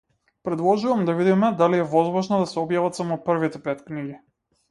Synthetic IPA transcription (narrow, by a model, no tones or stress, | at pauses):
pɾɛd̪lˠɔʒuvamd̪avid̪imɛd̪aliɛvɔzmɔʒnɔd̪asɛɔbjavat̪samɔpr̩vit̪ɛpɛt̪kniɡi